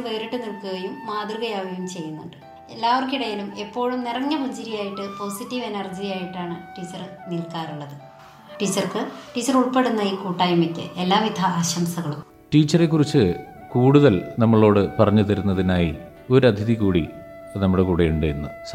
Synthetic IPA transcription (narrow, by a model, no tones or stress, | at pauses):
ʋeːɾiʈːɨnilkuɣɐjumːaːd̪rɨɣɐjaːʋɐjumt͡ɕe̞jːunːuɳɖɨ | e̞lːaːʋorkiɽɐjilume̞pːo̞ːɻumnirɐŋːɐmuɲd͡ʑiɾijaːjiʈːɨpo̞ːsitːiʋe̞nɐrd͡ʑijaːjiʈːaːɳɨʈiːt͡ɕːɐrnilkaːruɭːɐðɨ | ʈiːt͡ɕːɐrkɨʈiːt͡ɕːɐruɭpe̞ɽunːɐiːkuːʈːaːjumikʲːɨ̰elːaːʋid̪ʱɐaːɕɐmsɐɣɐɭum | ʈiːt͡ɕːɐre̞kːurit͡ɕːɨkuːɽuðɐlnɐmːɐɭo̞ːɽɨpɐrɐɲːut̪ɐɾunːɐðinaːji | o̞ɾɐd̪ʱiðikuːɽi | nɐmːuɽekuːɽejuɳɖejunːus